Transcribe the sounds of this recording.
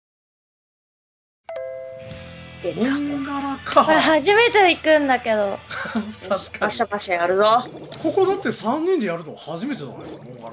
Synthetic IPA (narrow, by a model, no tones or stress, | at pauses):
d̪eɡaɾakʰaoɾaɦaʑime̞t̪eikɯ̟̃nd̪ake̞d̪o̞sḁkaɕapaɕajaɾɯ̟zo | ko̞ko̞d̪at̪ːe̞sãɲ̟ːĩnd̪e̞jaɾɯ̟noɡhaʑime̞t̪ed̪a̰ne